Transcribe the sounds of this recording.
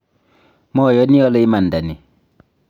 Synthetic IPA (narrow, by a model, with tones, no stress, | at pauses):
mɔ˦˨jɔ˦ni˦ɔ˦lɔ˦i˦ma˨nda˨ni˨